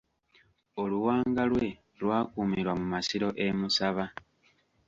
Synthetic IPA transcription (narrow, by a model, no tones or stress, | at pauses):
o̞luwaːŋɡalwe̞ | lwaːkuːmiɾwamumasiɾo̞ʔe̞musaβa